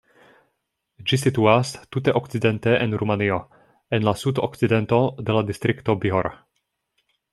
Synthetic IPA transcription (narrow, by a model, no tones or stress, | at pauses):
d͡ʒis̬ituastuteʔokt͡side̞nteʔenɾumanio̞ | enlasudo̰kt͡side̞nto̞de̞ladistɾikto̞biɦoɾa̰